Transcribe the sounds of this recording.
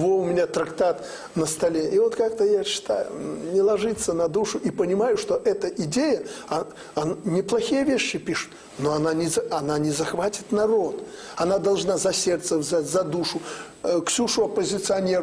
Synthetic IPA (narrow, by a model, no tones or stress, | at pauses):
voʊmʲɪnʲat̪ɾɐkt̪at̪ | nəst̪ɐlʲeʔivot̪kakt̪əjaɕːɪ̥t̪a̰jʊ̰nʲɪlˠɐʐɨt̪sːənɐd̪uʂʊʔipənʲɪmajʊʂt̪oʔɛt̪əʔɪdʲejəɐ | ɐnnʲɪplˠɐxʲijəvʲeɕːɪpʲiʂʊ̥t̪ | noɐnanʲɪzɐnanʲɪzɐxvatʲɪt̪nɐɾo̞t̪ | ɐnad̪ɐlˠʐnazɐsʲert̪səvzazɐd̪uʂʊ | ksʲuʂʊɐpəzʲɪt̪sɨɐnʲeɾ